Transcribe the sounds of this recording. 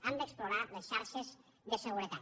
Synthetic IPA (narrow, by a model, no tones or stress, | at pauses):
and̪eksploɾalesʃaɾʃez | ðəsəɣuɾet̪a